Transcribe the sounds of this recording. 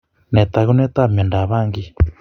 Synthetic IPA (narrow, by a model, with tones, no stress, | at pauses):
nɛ˨t̪a˨ɣu˦nɛ˦t̪a˦˨mɛ˨nda˨βa˦˨ŋɡi˦